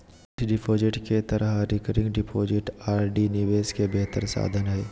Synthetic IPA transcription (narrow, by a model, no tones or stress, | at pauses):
ɖɪpʰoːd͡ʒɪʈket̪əɾʔəɦɾɪkəɾɪ̃ŋɡɖɪpʰoːd͡ʒɪʈaːɾɖinɪʋeːskebɛɦt̪əɾsa̰ːd̪ʱənɦɛː